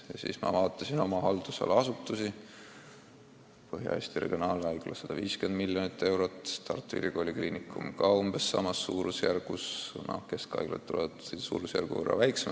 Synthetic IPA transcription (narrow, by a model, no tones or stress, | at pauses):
jɑsḭːsmɑ̰vɑːt̪ˑːɑsino̞mɑhɑld̪̥usɑ̰lɑsut̪ːˑusi | pɤɦjɑ̰ḛːsʲt̪ire̞̰ɡ̥ʲionɑːlnɑjklɑsːɑd̪̥ɑviːskend̪milʲjonit̪ːe̞wɾo̞t̪ːˑt̪ɑrt̪ˑːuḭɾʔiko̞ːlʲikliːnikːˑumkɑomb̥e̞sːɑ̰mɑsːuːɾusjærɡ̥usnɑ̰hke̞skɑ̰jɡlḛt̪t̪ːuleb̥̪sṵːɾusjæ̰rɡ̥ṵvɤrːɑ̰væjksem